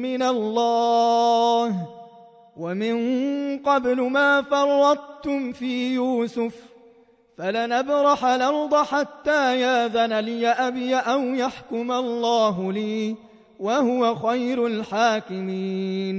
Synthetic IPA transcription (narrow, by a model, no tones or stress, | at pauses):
mɪnalːɑː | h | wamɪnqɑblʊmaːfɑrˤːɑd̪̚ˤt̪ʊmfiːjuːsʊf | falanabɾˤɑħalɑɾd̪ˤɑħat̪ːaːjaːðanalɪjaʔabjaʔawjaħkʊmalˤːaːɦʊliː | wahʊwaxajɾʊlħaːkɪmiːn